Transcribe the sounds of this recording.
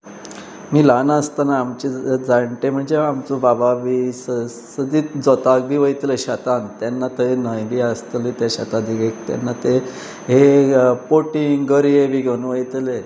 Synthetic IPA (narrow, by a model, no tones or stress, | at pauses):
miːlanəst̪anaːmt͡ɕed͡zaɳʈem̤əɳd͡zeamt͡sobababʱiːsə | səd̪iːd͡zɔt̪ak̚bʱiːʋəjt̪leɕat̪ant̪janːat̪əenəjbiːast̪lit̪eɕa̰t̪ad̪iɡekt̪ja̰nːat̪e | ɦepoʈiŋɡəɾijebʱiːɡʱeunʋəjt̪le